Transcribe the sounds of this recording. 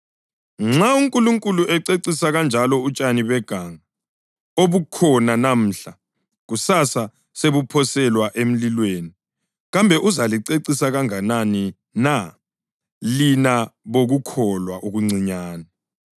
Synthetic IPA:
ŋ͡ǁauŋkʼuluŋkʼuluʔɛǀeǀisaɣand͡ʒʱalɔut͡ʃʼaniβɛɡ̥ʱaːŋa | oβukʰɔnanam̩ːɬa | ɣusasa | seβupʰɔsɛlwaʔem̩lilweːni | ɣambʱɛʔuzaliǀeǀisaɣaŋanani | na | linaβoɣukʰɔlwaʔuɣuŋ͡ǀʱiɲaːna

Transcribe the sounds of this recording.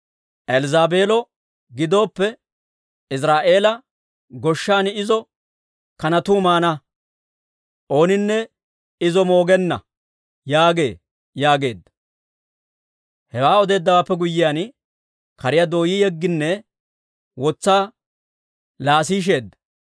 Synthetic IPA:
ʔɛlzaːbe̞ːlɔ | ɡɪd̪o̞ːpːɛ | ɪs̬ɾaːʔe̞ːlɐ | ɡɔʃːaːnɪzɔ | kɐnɐt̪uːmaːnɐ | ʔo̞ːnɪnːɛ | ɪzɔmo̞ːɡɛnːɐ̰ | jaːɡe̞ː | jaːɡe̞ːd̪ːɐ | hɛwaːɔd̪e̞ːd̪ːɐwaːpːɛɡʊjːɪjaːn | kɐɾɪjad̪o̞ːjijɛɡːɪnːɛ | wɔt͡sːaː | laːs̬iːʃ̬e̞ːd̪ːɐ

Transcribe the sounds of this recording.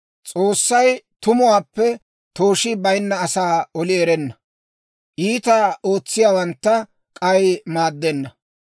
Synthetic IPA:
t͡sʼoːsːɐjt̪ʊmʊwaːpːɛ | t̪oːʃɪbɐjnːɐːsaːɔlɪɛɾɛnːɐ | ʔiːt̪ao̞ːt͡sːɪjaːwɐnt̪ːɐ | kʼɐjmaːd̪ːɛnːɐ

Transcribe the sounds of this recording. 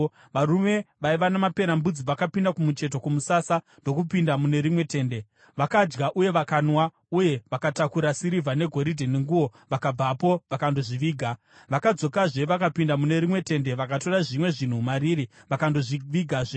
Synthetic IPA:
ʋaɾume̞ʋaiʋanamape̞ɾambud͡ziʋakapindakumut͡ʃe̞t̬o̞kumusasa | ndo̞kupindamune̞ɾimwe̞te̞ːnde̞ | ʋakad͡ʒɡaʔuje̞ʋakanwa | uje̞ʋakatakuɾasiɾivʱane̞ɡʱo̞ɾidʱeneŋɡuwo̞ʋakab͡vapo̞ʋakando̞ʐiʋiːɡʱa | ʋakad͡zo̞kaʐe̞ʋakapindamune̞ɾimwe̞te̞ndeʋakato̞raʐimwe̞ʐin̤umaɾiːɾiʋakando̞ʐiʋiɡʱaʐe

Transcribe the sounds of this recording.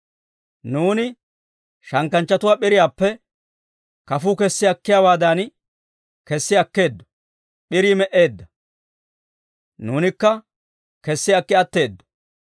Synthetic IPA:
nuːnɪ | ʃɐŋkːɐnt͡ʃːɐt̪ʊwaːɓɪɾɪjaːpːɛ | kɐfuːkɛsːɪɐkːɪjaːwaːd̪an | kɛsːɪɐkːe̞ːd̪ːɔ̥ | ɓɪɾiːmɛʔe̞ːd̪ːɐ | nuːnɪkːɐ | kɛsːɪɐkːɪɐt̪ːe̞ːd̪ːɔ̥

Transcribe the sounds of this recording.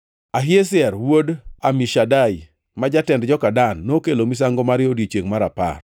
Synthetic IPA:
aɦɪes̬ɪɛrwodamiʃadaj | mad͡ʒatɛndd͡ʒɔkadanːokelomis̬aŋɡomaɾɪodet͡ʃeŋmaɾapa̰r

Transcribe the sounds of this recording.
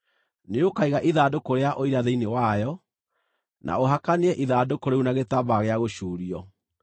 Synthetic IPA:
neokaiɣaʔiðadokoɾeaʔoiɾaðeinewajɔ | nʔa̰oɦakaneɛʔiðaːdokoɾeunaɣetabaɣeaɣoɕuːɾiɔ

